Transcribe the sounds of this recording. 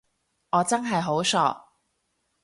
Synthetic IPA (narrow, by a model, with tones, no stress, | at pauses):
ɔː˨˧t͡sɐ˥nɦɐ˨jɦo˨˥wsɔ̰ː˧k̚